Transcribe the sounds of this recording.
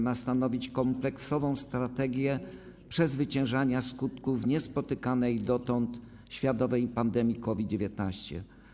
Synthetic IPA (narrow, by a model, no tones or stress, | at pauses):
mast̪anɔvʲit͡ɕkɔmplɛksɔvɔ̃w̃st̪ɾat̪ɛɡʲjɛ | pʂɛzvɘt͡ɕɛ̃w̃ʐaɲaskut̪kufɲɛspɔt̪ɘkanɛjd̪ɔt̪ɔnt̪ | ɕfʲjat̪ɔvɛjpand̪ɛmʲjikɔvʲid̪̚d͡ʑevʲjɛt̪naɕt͡ɕɛ̰